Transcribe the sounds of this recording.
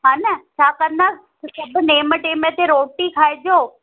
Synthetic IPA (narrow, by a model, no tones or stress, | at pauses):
ɦãnət͡ʃaːkəɾna | kubneːməʈemẽt̪eɾoːʈikʰajd͡ʒoː